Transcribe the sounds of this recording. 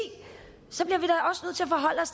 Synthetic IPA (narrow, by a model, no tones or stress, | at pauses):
sɒ̽b̥liɐʋiɾ̥ɑ̈ʔɒ̽sənøð̰ˠt͡sʰe̝æfɒ̽ɦɒ̽l̰ɒ̽s